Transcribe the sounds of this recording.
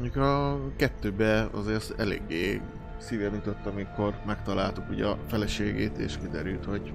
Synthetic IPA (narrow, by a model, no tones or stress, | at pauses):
ɲukɒkɛt̪ːøːbɛɒ̰zeːrt̪ɛlḛːɡːeː | siːvɛmyt̪ot̪ːɒmikʰo̞rmɛkt̪ɒlaːlt̪ukuɟɒfɛlɛʃeːɡeːt̪ḛːʃkid̪ɛɾylt̪ho̞ɟ